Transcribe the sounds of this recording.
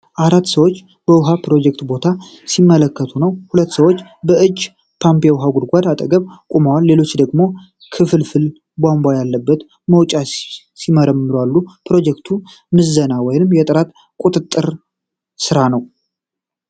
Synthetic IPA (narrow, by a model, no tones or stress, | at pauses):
ʔaɾat̪ːsəwot͡ʃː | b̥əwʊɦapɾo̞d͡ʒɛk̚t̪bo̞t̪ʰa | simːələkːət̪ʰunəwhulət̪ːsəwot͡ʃːbəʔɨd͡ʒː | pʰampejwɦaɡud̪ɡʷad̪at̪ʼəɡəβkʼumawalːe̞lo̞t͡ʃːd̪əɡmo̞ | kʰɨfɨlfɨl | bambajalːəbːət̪ | məwt͡ʃʼa | siməɾəmːɨɾwalːupʰɾo̞d͡ʒɛkt̪ʰu | mɨzːənawɔjnɨmjɛt̪ʼɨɾat̪ | kʼut̪ʼɨt̪ʼːɨɾ | sɨɾanəw